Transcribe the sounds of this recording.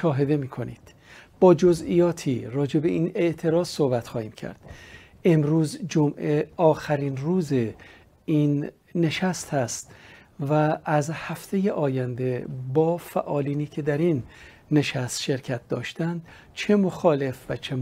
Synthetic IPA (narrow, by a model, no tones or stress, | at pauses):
ʃɒːɦe̞d̪e̞miːkʰo̞nḭːd̪̥ | b̥ɒːd͡ʒo̞ziːjɒːt̪ʰiːɾɒːd͡ʒe̞be̞ʔiːne̞ʔt̪ʰe̞ɾɒːzso̞hbæt̪xɒːhiːmcʰæ̰ɾd̪̥ | ʔe̞mɾuːzd͡ʒomʔe̞ʔɒːxæɾiːnruːze | inː | e̞ʃæst̪hæst̪ | væːzhæft̪ʰe̞jeʔɒːjænd̪e̞bɒːfæʔɒːliːniːcʰe̞d̪æɾinː | e̞ʃæst̪ʃe̞ɾcʰæt̪̚d̪ɒ̰ːʃt̪ænd̪̥ | t͡ʃʰe̞mo̞xɒːle̞fvæt͡ʃʰe